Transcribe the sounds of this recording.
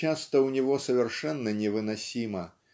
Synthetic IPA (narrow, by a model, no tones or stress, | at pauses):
ast̪ɐwnʲiɣɔsɐvʲɛrʂɛnːɐnʲɛvɨnasʲimɐ